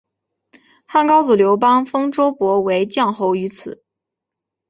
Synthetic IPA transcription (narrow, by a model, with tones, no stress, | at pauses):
xa˥˩nkɑ˥ʊt͡su˨˩ljo˧˥ʊpɑ˥ŋfɤ˥ŋʈ͡ʂo˥ʊpwɔ˧˥we˧˥ɪt͡ɕjɑ˥˧ŋxo˥˧ʊy˧˥t͡sʰɹ̩˨˩˦